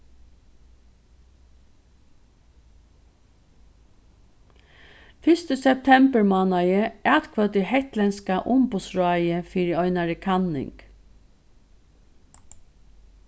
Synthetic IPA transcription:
fɪst̪əsɛp̚t̪ʰɛmbəɹmɑːnajəæːt̪kʰvœt̪ɪhɛht̪lɛnskaʔʊmbʊsɹɑːjəfiːɹɪɔʏnaɹəkʰanːɪ̰ŋk

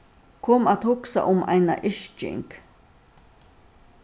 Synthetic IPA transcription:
kʰomat̪hʊksa̰ʔʊma̰jna̰ʔɪʃt͡ʃɪ̰ŋk

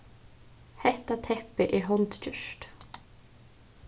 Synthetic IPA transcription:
hɛht̪ːat̪ʰɛhpɪʔɛɾɦɔnt̪cʏʃt̪

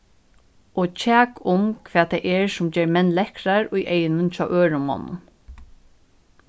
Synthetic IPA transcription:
ɔt͡ɕʰæːkʊmkʰʋɛːt̪ʰaɪʔɛɹsʊmd͡ʑɛːɹmɛnːlɛhkɾaɹʊjʔejnʊnt͡ʃʰaːʔøːɹʊmɔ̰nʊ̰n

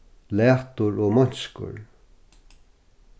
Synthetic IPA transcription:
lɛːt̪ʊɹɔːmɔɲ̥skʊ̰ɹ

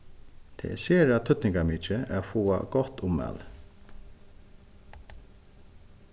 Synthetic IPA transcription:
t̪ʰɛ̰seːɾat̪ʰʏt̪nɪŋkamiːt͡ʃɪafuːa̰ɡɔht̪ʊmːæ̰ːl

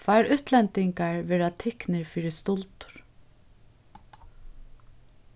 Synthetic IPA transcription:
vaɾʏt̪lɛnt̪ɪŋkaɹʋɛːɹat̪ʰɪknɪɹfiːɾɪst̪ʊlt̪ʊ̥ɹ̥

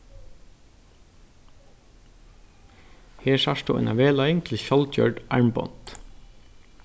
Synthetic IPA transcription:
heːʃɑʃtṵːḛːnɑ̰ʋeːlɑʏɪŋt̪ʰɪlçɔlt̪ʰjœ̰ɖʔæɹmbɔ̰nt̪

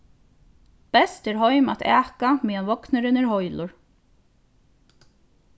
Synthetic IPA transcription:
b̥ɛst̪ɛɾɦɔjma̰t̪ʰæːkamiːanvɔknɪɾɪnɛɾhɔjlʊɹ

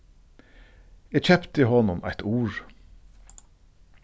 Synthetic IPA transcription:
eːc͡çœpt̪əiːhɔnʊmæ̰ɪt̪ʰuːɹ

